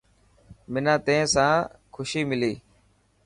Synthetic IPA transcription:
mɪnãːt̪ẽːsãːkʰʊʃiːmɪliː

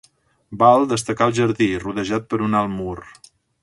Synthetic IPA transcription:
balˠd̪əst̪əkaəlˠʒəɾðiruðəʒat̪̚pəɾunalˠmur

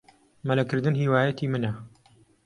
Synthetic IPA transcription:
mɐlɐkɨɾd̪ɨnɦiːwaːjɐt̪ʰiːmɨnɐ

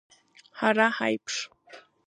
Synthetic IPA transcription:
haɾahajpʂ

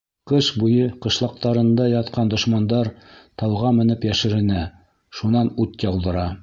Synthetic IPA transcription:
qɤʃbujɤqɤ̆ʃlˠɑq̚t̪ɑɾɤ̆nd̪ɑjɑt̪qɑnd̪ŏʃmɑnd̪ɑɾt̪ɑlˠʁɑmɘ̆nɘpjæʃɘ̆ɾɘ̆næ | ʃunɑnʉt̪jɑlˠd̪ɤ̆ɾɑ

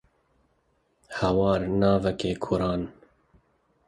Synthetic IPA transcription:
hɛwɑːɾnɑːvɛkeːkʰʊɾɑːn

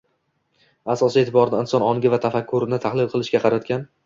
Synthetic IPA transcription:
asɒsiet̪ʰɪbɒɾnɪɪnsɒnɒŋɡʲɪvat̪ʰafakʰʲːʊɾɪnɪt̪ʰahlˠɪlˠqʰɨlˠɪʃkʲaqʰɑɾat̪kʲan

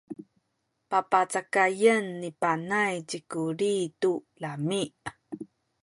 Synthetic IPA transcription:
papat͡sakajənːipanajd͡ʑikuɾitulamiʔ

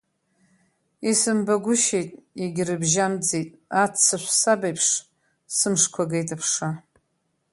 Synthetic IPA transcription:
isɨmbaɡʷʊʃejtʼiɡʲrɨbʒamd͡zejtʼat͡sʰːaʃʷsabajpʰʂ | sɨmʂkʷʰaɡejtʰʼapʰʂa

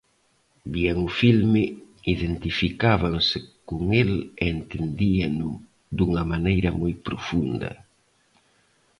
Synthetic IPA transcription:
bieŋʊfilmɪiðent̪ifikaβaŋsɪkoŋelːnt̪end̪iɐnʊ | d̪uŋɐmanejɾɐmojpɾofund̪ɐ̰

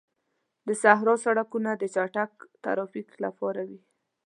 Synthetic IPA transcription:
d̪əsaɦɾɑsaɽakunad̪ət͡ʃaʈakt̪a̰ɾɑfikla̰pɑɾawi

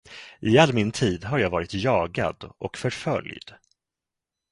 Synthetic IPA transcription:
ʔɪalːmɪnt̪ʰiːd̪ɦaɾjɑːɡvɑːɾɪt̪jɑːɡa̰d̪ɔ̰kfœɾfœ̰ljd̪̥

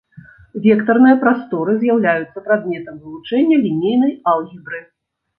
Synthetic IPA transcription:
vʲɛkt̪ɐrnɨjɐpɾast̪ɔɾɨzʲjawlʲajut̪sːɐpɾad̪̚mʲɛt̪ɐmvɨlˠut͡ʂɛnʲːɐlʲinʲejnɐjalˠɣʲibɾɨ

